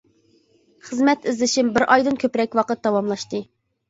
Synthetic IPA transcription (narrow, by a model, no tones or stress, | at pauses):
χəzmɛt̪ɪzlɪʃimbɪɾʔɑjd̪ɨnkʲʰøpɾɛkʲwɑqət̪̚d̪ɑwɑmlˠɑʃt̪ɨ